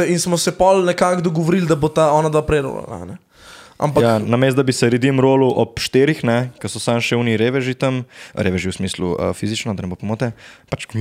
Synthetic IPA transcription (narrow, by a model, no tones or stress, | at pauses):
ɛinsmɔsɛpɔlnɛkakd̪ɔɡɔʋoɾild̪ɐbot̪aɔnad̪ʋapɾɛɾo̰ːla̰la̰nɛ | ʔa̰mpajaknɐmeːst̪̚d̪abisɛɾid̪imɾoːluʔɔpʃt̪eːɾixnɛkɐsɔsaːmʃɛuːniɾeːʋɛʒit̪ɐmɾeːʋɛʒiwsmiːsluə̰fizit͡ʃnɔd̪anɛbopɔmoːt̪ɛpat͡ʃ